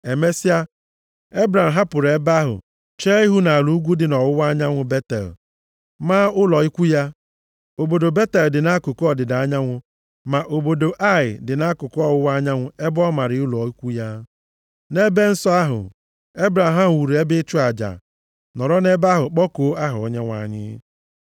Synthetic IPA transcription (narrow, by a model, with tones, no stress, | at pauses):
e˨me˦si˦a˦ | e˦bɾa˨m̩˨ɦa˦pʊ˨ɾe˨ba˦ɦʊ̰˨ | t͡ʃe˦i˦ɦu˦na˨lu˨˦u˦ɡʷu˦dɪ˨nɔ˨wʊ˦wa˦ɲa˦ŋʷʊ˦be˦tḛ˨l | maː˦ʊ˦lɔ˨i˦kʷu˦ja˦ | o˨bo˨do˨be˦te˨ldɪ˨na˦kʊ˨kɔ˨dɪ˨da˨˦ɲa˦ŋʷʊ˦ | ma˨ʔo˨bo˨do˨ʔa˦˨ɪ̰˨dɪ˨na˦kʊ˨kɔ˦wʊ˦wa˦ɲa˦ŋʷʊ˦e˦bɔ˦ma˨ɾɪ˨˦ʊ˦lɔ˨i˦kʷu˦ja˦ | ne˦be˦n̩˦sɔ˦a˦ɦʊ̰˨ | e˦bɾa˨m˨ɦa˦m˨wu˨ɾe˦bɪ˦t͡ʃʊ˦a˨d͡ʒa̰˨ | nɔ˨ɾɔ˦ne˦ba˦ɦʊ˨k͡pɔ˦ko˨˦a˦ɦʊ˨ɔ̰˦ɲe˦ŋʷa̰˨ɲɪ̰˦